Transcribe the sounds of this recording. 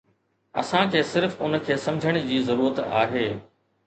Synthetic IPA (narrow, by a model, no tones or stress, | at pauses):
ɐ̰sãkʰeːsɪɾfʊnkʰeːsɐ̃md͡ʑʱəɽ̃̆d͡ʑiːzɐɾuːɾət̪a̰ːɦeː